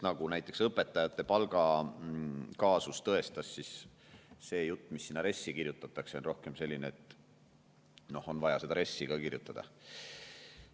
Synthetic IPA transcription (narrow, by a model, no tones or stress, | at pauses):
nɑɡ̥unæjt̪ːˑe̞ksɤpːˑe̞t̪ːˑɑjɑt̪ːˑe̞pɑlɡ̥ɑ | kɑːsust̪ɤe̞st̪ɑsːis | se̞ːjut̪ːmisːinːɑɾe̞sʲːikiɾjut̪ːˑɑt̪ːˑɑkseonro̞hke̞mse̞lʲːineet̪ˑ | no̞ho̞nvɑjɑse̞d̪ɑɾe̞sːiɡ̥ɑkirjut̪ːˑɑd̪̥ɑ̰